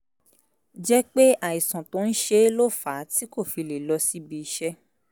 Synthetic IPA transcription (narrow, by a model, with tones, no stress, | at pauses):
d͡ʒɛ˦k͡pe˦ʔa˨i˨sã˨to˨˦ñ̩˦ʃe˧˦lo˦˨fa˨˦ti˦ko˦˨fi˧le˨lɔ˧si˦bi˧ʃɛ˦